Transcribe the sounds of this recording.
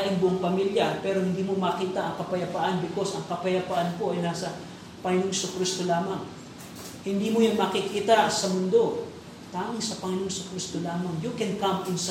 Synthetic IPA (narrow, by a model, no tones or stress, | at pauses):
ʔɪnbʊʔŋpɐmiljapɛɾo̞hɪnd̪iːmomɐkiːt̪ɐʔɐŋkɐpɐjɐpaʔɐnbɪko̞sɐŋkɐpɐjɐpaʔanpo̞ʔɐjnaːsɐ | pɐŋɪnoŋsʊkɾist̪olaːmaŋ | hɪnd̪imojanmɐkɪkiːt̪asɐmʊnd̪o̞ | t̪aːmaŋsɐpɐŋɪnoŋsʊkɾist̪olaːmaŋjukɛnkamɪns